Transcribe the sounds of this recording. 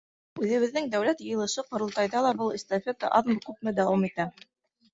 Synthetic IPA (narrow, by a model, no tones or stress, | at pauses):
ʉðɘ̆βɘ̆ðːɘŋd̪æwlæt̪jɤ̆jɤ̆lˠɤ̆ʃɤqŏɾɤ̆lˠt̪ɑjðɑlˠɑbɤlˠist̪ofʲet̪ə̰ʔɑðmkʉp̚mɘd̪æwɑmit̪æ